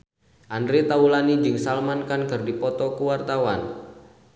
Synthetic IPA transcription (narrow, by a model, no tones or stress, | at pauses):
ʔandɾet̪aulanid͡ʒɨŋsalmankankɨrdipɔt̪ɔkuwart̪awan